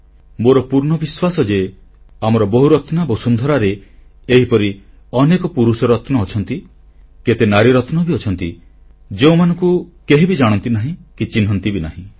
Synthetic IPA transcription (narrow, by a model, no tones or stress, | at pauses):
moɾɔpuɾɳɔbiswasɔd͡ʒe | amɔɾɔbɔɦuɾɔt̪nabosund̪ʱɔɾaɾeeɦipɔɾi | ɔnekɔpuɾusɔɾɔt̪nɔːt͡ʃʰɔnt̪i | ket̪enaɾiɾɔt̪nɔbiɔt͡ʃʰɔnt̪i | d͡ʒeũmanɔŋkukeɦibid͡ʒaɽ̃ɔnt̪inaɦĩkit͡ʃinɦɔnt̪ibinaɦĩ